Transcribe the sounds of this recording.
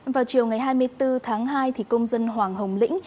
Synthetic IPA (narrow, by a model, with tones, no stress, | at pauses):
vaː˨˩wt͡ɕi˨˩əwŋa˨˩jɦaː˧jmɨ˧əjt̪ɨ˧t̪ʰaː˨˦ŋɦaː˧jt̪ʰi˨˩kə˧wŋ͡mzə˧nɦwaː˨˩ŋɦə˨˩wŋ͡mlḭ˧˥ŋ̟